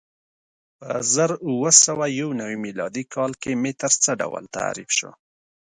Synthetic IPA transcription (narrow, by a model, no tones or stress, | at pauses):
pə̰zəɾuwəsawajawnawimilɑ̰d̪ikʰɑlkemet̪əɾt͡səɖa̰wə̰lt̪a̰ɾifʃo̰